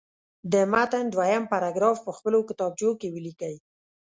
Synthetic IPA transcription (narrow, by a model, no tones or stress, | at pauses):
d̪əmat̪and̪wajampaɾɑɡɾɑfpəxpəlokɪt̪ɑb̚t͡ʃokewəlikəj